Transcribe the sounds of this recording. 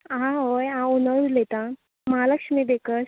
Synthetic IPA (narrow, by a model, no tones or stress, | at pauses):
ɦãɦojãunəɾulet̪ã | məɦaləkʂmibekəs